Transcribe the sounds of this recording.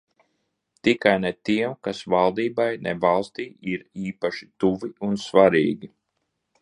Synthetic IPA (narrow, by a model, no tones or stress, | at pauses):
t̪ikajnɛt̪iɛmkasvalˠd̪iːbajnʔɛ̰valˠst̪iːiɾiːpaʃi̥t̪uviunsvaɾiːɡʲi